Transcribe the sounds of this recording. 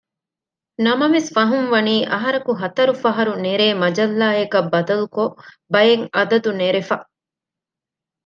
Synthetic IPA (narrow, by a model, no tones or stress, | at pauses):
nɐmɐʋesfɐɦunʋɐniːʔɐɦɐɾɐkuɦɐt̪ɐɾufɐɦɐɾuneɾeːmɐd͡ʒɐlːaːekɐbːɐd̪ɐluko | bɐjeŋɐd̪ɐd̪uneɾefɐ